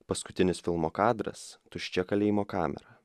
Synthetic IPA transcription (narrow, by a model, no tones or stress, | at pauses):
pɐskʊt̪ʲɪnʲɪsfʲɪlˠmoːkɑːd̪ɾɐ̰st̪ʊʃʲt͡ʃʲɛkɐlʲeːjimoːkɑːmʲɛ̰ɾɐ